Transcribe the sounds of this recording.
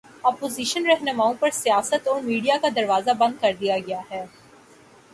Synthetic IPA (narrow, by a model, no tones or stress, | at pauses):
ɔːpoːziːʃənɾɛɦnəmaːõpɐɾsijaːsət̪ɔːɾmiːɖijakad̪ɐɾʋaːzabɐ̃nd̪̚kɐɾd̪ijaɡɐjaɦɛː